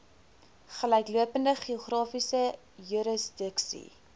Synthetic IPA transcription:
χəlœjkluəpəndəχiuχrɑːfisə | juɾəsdəksḭ

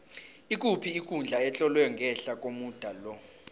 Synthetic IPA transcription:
ikʼupʰiːkʼund͡ɮʱaɛt͡ɬʼɔlwɛŋɡʱɛɬakʼomud̥ʱalɔ

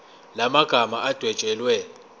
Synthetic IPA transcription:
lamaɡ̥ʱamaʔad̥ʱwɛd̥ʒ̥ʼʱɛlwɛ

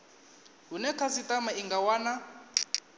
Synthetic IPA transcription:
ɦunɛkʰasitamaiŋɡawaːna

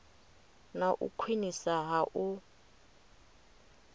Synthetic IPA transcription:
naʔṵkʰwinisaɦaʔu

